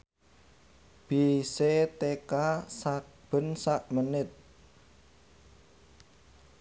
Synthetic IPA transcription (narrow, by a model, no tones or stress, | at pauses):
b̥iset̪ekasak̚ | b̥ə̤nsaʔmənɪt̪̚